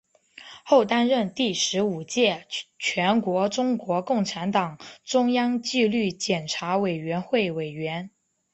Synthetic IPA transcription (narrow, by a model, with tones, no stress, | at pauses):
xo˥˩ʊt̪a˥nɻə˥˧nt̪i˥˩ʂɻ̩˧˥u˨˩t͡ɕjɛ˥˧t͡ɕʰɥɛ˧˥nkwɔ˧˥ʈ͡ʂʊ˥ŋkwɔ˧˥kʊ˥˩ŋʈ͡ʂʰa˧˥nt̪ɑ˨˩ŋʈ͡ʂʊ˥ŋjɑ˥ŋt͡ɕi˥˧ly˥˩t͡ɕjɛ˨˩nʈ͡ʂʰa˧˥we˨˩ɪɥɛ˧˥nxwe˥˩ɪwe˨˩ɪɥɛ˧˥n